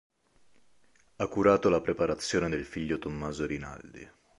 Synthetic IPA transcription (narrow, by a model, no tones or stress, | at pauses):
akːuɾaːt̪olapɾepaɾat̪sːjoːned̪elfiʎːot̪omːaːzoɾina̰ld̪ḭ